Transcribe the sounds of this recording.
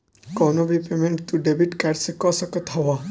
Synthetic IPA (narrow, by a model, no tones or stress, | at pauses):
kɔnobɾipemẽɳʈt̪uɖebiʈkɛʈsekɔsəkət̪ʰɔʋa